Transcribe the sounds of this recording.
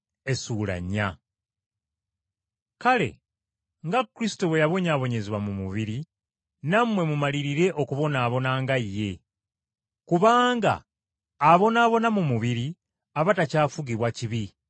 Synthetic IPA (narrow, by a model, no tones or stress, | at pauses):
e̞suːla̰ɲːa | kale̞̰ | ŋɡakːɾisi̥to̞we̞jaβo̞ɲaːβo̞ɲe̞ziβwamumuβiɾi | namwe̞mumaliɾiɾe̞ʔo̞kuβo̞naːβo̞naːŋɡajːe̞ | kuβaːŋɡa̰ː | βo̞naːβo̞namumuβiɾi | aβatacaːfuɡiβwaciβi